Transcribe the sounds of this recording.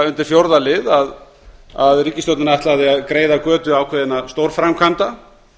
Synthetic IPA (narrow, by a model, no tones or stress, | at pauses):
ʏnt̪ɪɾ̥fjowɾðalɪðað | aðriːcɪst̪owt̪nɪnaɛht̪laðɪaðkɾeːjðakœːt̪ʏaːwkʰvɛðɪnast̪owɾfɾamkʰant̪a